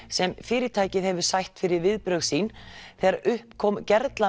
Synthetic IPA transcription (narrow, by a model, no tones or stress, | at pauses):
sɛmfɪːɾɪɾt̪ʰaːjcɪðhɛvʏ̥sajht̪fɪɾɪɾvɪðpɾœɥɣsiːnθɛɣɾaɾʔʏhpkʰɔmcɛɾt̪la